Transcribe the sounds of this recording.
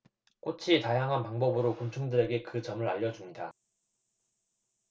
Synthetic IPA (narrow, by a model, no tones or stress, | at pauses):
k͈ot͡ɕʰitajaŋɦanpaŋbʌbɯɾokumt͡ɕʰuŋdɯɾe̞ɡe̞kɯt͡ɕʌmɯɾaʎːʌd͡ʑumɲida